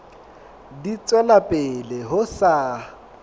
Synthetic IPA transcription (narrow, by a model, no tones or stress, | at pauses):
dit͡sʼwɛlapʼɪlɪɦʊsa